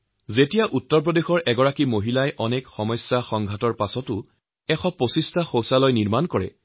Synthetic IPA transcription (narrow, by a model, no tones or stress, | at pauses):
zetijaʔutːɔɹp̬ɹɔdexɔɹʔɛɡɔɹakimoɦilajʔɔnekxɔmɔjsjaxɔŋɡʱatɔɹpasɔtʊ | ɛxɔpːosistʰaxowsalɔjniɹmankɔɹɛ̰